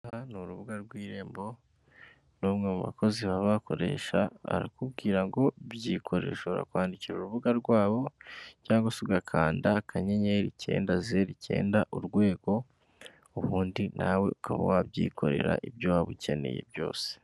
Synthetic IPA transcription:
hanuɾuβuɡaɾɡwiːɾe̞ːmbo̞ | nuːmŋemuβa̰kʰo̞ziβaβakʰo̞ɾe̞̰ːʃaa̰ɾa̰kubɡiːɾaŋɡo̞βjiːkʰo̞ɾe̞̰ʃoβɾa̰kwaːndiciɾuɾuβuɡaɾɡwaːβo̞caːŋɡasiɡakʰaːndakʰaɲe̞ɲeɾice̞̰ːndazeɾice̞̰ːndaʔuɾɡwe̞ːɡo̞ | uβuːndinawe̞̰ukʰaβa̰waβjḭːkʰo̞ɾe̞̰ɾa̰ʔibjowaβuce̞ne̞̰jḛbjo̞̰ːse̥

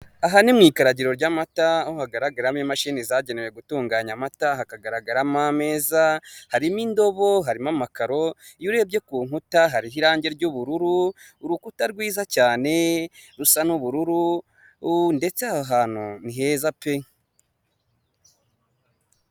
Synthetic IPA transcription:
aɦanimŋiːkaɾaɟiɾo̞ɾɟamataohaɡaɾaɡaɾamɲimaʃinizaɟenewe̞ɡutuːŋɡaːɲamataɦakaɡaɾaɡaɾamame̞ːzahaɾimindo̞βo̞ɦaɾimamakaɾo̞juɾe̞b̚ɟe̞kuːŋutaɦaɾiɦiɾaːɲɟe̞ɾɟuβuɾuɾuː | ɾukutaɾɡwiːzacaːne̞ɾusanuβuɾuɾu | nde̞t͡seahaɦaːn̥huniɦe̞ːzape

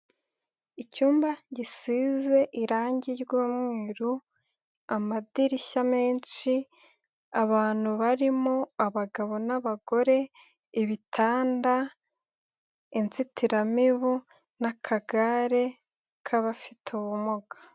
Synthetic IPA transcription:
icuːmbaɟisiːze̞ʔiɾaːɲɟiɾɡuːmŋeːɾu | amadiɾiʃame̞ːnʃi | aβaːn̥huβaɾimoaβaɡaβo̞naβaɡo̞ɾe̞ | iβitʰaːnda | inzitiɾamiβu | nakʰaɡaɾe̞ | kʰaβafitʰuβumuɡḁ

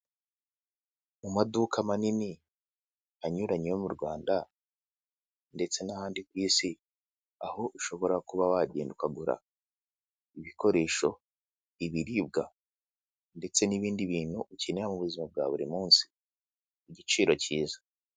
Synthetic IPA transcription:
mumadukʰamanini | aɲuɾaɲejomuɾɡwaːnda | nde̞t͡se̞nahaːndikwiːsi | aho̞ʔuʃo̞βo̞ɾakuβawaɟeːndukaɡuɾa̰ | iβikʰo̞ɾe̞ːʃo̞ | iβiɾib̚ɡa | nde̞t͡se̞niβiːndiβiːn̥huʔucinejamuβuzimab̚ɡaːβuɾḭmuːnsi̥ː | ɟit͡ʃiːɾo̞ciːzḁ

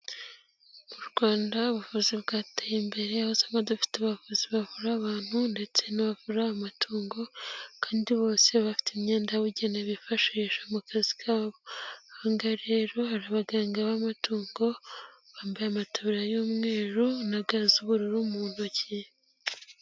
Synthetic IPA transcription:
muɾɡwaːndauβuvuziβɡaːtejimbe̞ɾeahozaŋɡadufi̥taβavuziβavuɾaβaːn̥hunde̞t͡se̞naβavuɾaamatʰuːŋɡo̞kaːndiβo̞ːseβafi̥timɲeːndaβuɟeneβifaʃiʃamukazikʰaβohaŋɡaɾeːɾo̞haɾaβaɡaːŋɡaβamatuːŋɡo̞βaːmbajamatʰaβiɾajoːmŋe̞ːɾunaɡazuβuɾuɾumuːnuci

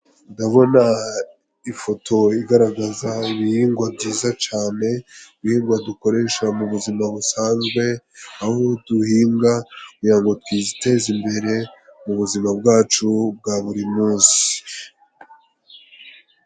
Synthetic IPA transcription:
ndaβo̞na | ifo̞tʰo̞iɡaɾaɡazaiβihiːŋɡwab̚ɟiːzat͡ʃaːne̞βihiːŋɡwaduko̞ɾe̞ʃamuβuzimaβusaːnzɡwe̞ | aho̞duhiːŋɡakujaːŋɡotkwizite̞ːzimbe̞ɾe̞muβuzimab̚ɡaːt͡ʃub̚ɡaβuɾimuːnsi̥

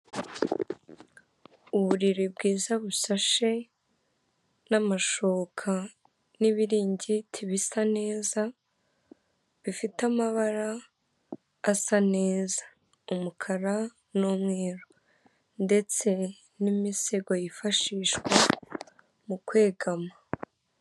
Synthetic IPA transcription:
uβuɾiɾibɡiːzaβuʃaʃe̞ | namaʃoːkʰa | niβiɾiːɲɟitʰiβisane̞ːza | βifitamaβaɾa | sane̞ːzḁ | umukʰaɾa | nomŋeːɾo | nde̞t͡se̞ | nimiseɡojifaʃiːʃkwa | mukwe̞ːɡama

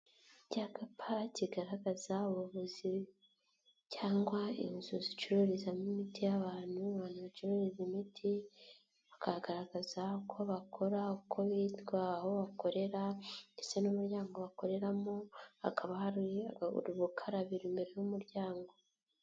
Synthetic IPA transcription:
ɟakapʰaciɡaɾaɡazauβuβuzi | caːŋɡwaḭnzuzit͡ʃuɾuɾizamumitijaβaːn̥huβaːnhuβat͡ʃuɾuɾizimitʰi | βakahaɡaɾaɡazakʰo̞βakʰo̞ɾaukʰo̞βitɡwaːho̞βako̞ɾe̞ɾandesenumuɾɟaːŋɡo̞βako̞ɾe̞ɾamoa̰kʰaβahaɾṵɾuβukʰaɾaβiɾimbe̞ɾejumuɾɟaːŋɡo̞

